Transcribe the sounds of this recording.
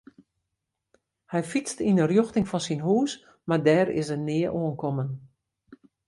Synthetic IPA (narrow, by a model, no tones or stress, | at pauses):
hɛjfit͡stinərjoxtɪŋfɔnsinɦuːs | madɛːrɪ̰sənɪːəʔoənkɔmən